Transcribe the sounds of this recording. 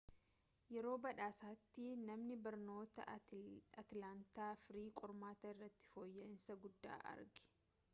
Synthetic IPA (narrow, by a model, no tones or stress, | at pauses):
jɛɾo̞ːbɐᶑaːsaːt̪ːɪnɐmnɪbɐɾno̞ːt̪ɐ̰ | ɐt̪laːnt̪aːfɪɾiːkʼɔɾmaːt̪ɐɪrːɐt̪ːɪ̥foːjːɐɪnsɐɡʊd̪ːa̰ːʔɐ̰ɾɡɪ̥